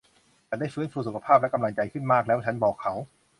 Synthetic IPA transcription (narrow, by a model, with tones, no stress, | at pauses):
t͡ɕa˧˩da˥˩jfɯː˦˥nfuː˧˩su˨˩kʰa˧pʰaː˥˩p̚lka˧mla˧ŋt͡ɕa˧jkʰɯ˥˩nmaː˥˩k̚lɛː˦˥wa˥t͡ɕʰa˦˥nbɔː˨˩kʰːa˦˥w